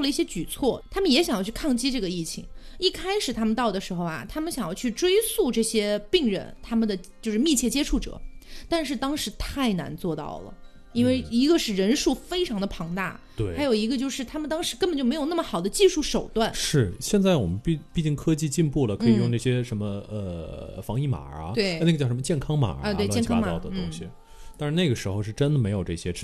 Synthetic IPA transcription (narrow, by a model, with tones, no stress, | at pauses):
lə˩i˥˩ɕjɛ˥t͡ɕy˨˩t͡sʰwɔ˥˩t̪ʰa˥mə˨njɛ˧˥ɕjŋjt͡ɕʰy˥˧kʰɑ˥˩ŋt͡ɕi˥ʈ͡ʂɤ˥˩ɡə˩i˥˩t͡ɕʰḭ˧˥ŋi˥˩kʰa˥ɪʂɻ̩˨˩t̪ʰa˥mə˨˧nt̪ɑ˥˩ʊd̪ə˩ʂɻ̩˧˥xo˥˧ʊɐ̰˩t̪ʰa˥mə˨nɕjɑ˨˩ŋjɑ˥˧ʊt͡ɕʰy˥˩ʈ͡ʂwe˥ɪsu˥˧ʈ͡ʂɤ˥˩ɕjɛ˥pi˥˧ŋɻə̰˥˩nt̪ʰa˥mə˨nd̪ə˩t͡ɕjo˥˧ʂɻ̩˥mi˥˧t͡ɕʰjɛ˥˩t͡ɕjɛ˥ʈ͡ʂʰu˥˩ʈ͡ʂɤ̰˨˩˦t̪a˥˧nʂ̬ɻ̩˥˩t̪ɑ˥ŋʂɻ̩˧˥t̪ʰa˥˩ɪna̰˧˥nt͡swɔ˥˧t̪ɑ̰˥˩ʊlə̰˩ | i˥nwe˥˩ɪi˧˥ɡə˧ʂɻ̩˥˩ɻə˧˥nʂu˥˩fe˥ɪʈ͡ʂʰɑ˧˥ŋd̪ə˧˩pʰɑ˧˥ŋt̪a̰˥˩ | at̪we˥˩ɪ˥ɪjo˨˩ʊi˧˥ɡə˧t͡ɕjo˥˧ʊʂɻ̩˥˩t̪ʰa˥mə˨nt̪ɑ˥ŋʂɻ̩˧˥kə˥pə˨˩nt͡ɕo˥˩m˧˥ɪjna˥˩mə˩xɑ˨˩ʊd̪ə˦t͡ɕi˥˧ʂu˥˩ʂo˨˩ʊt̪wa˥˩nʂɻ̩˥˩ɕjɛ˥˧nt͡sa˥˩ɪwɔ̰˨˩mə˦npi˥˧pi˥˧t͡ɕi˥˩ŋkʰɤ˥t͡ɕi˥˧t͡ɕi˥˧npu˥˩lə˩kʰɤn˧˥i˧˨˩jʊ˥˧ŋʈ͡ʂa˥˩ɕjɛ˥ʂə˧˥nmə˧ə˧fɑ˧˥ŋi˥˩ma̰˨˩˦we˥ɪ˥˧na˥˩ɡə˧˥˩ʂmə˧t͡ɕjɛ˥˩nkʰɑ˥ŋma̰˨˩a˧t̪we˧ɪjnkʰŋaɑ˥˧˩ʊd̪ə˧ʊ˥ʊ˥˩ŋɕi˨ | tt̪a˥˧nʂɻ̩˥˧na˥˩ɡə˩ʂɻ̩˧˥xo˧ʊʂɻ̩˥˩ʈ͡ʂə˥nd̪ə˨me˧˥ɪjo˨˩ʊʈ͡ʂɤ˥˩ɕjɛ˥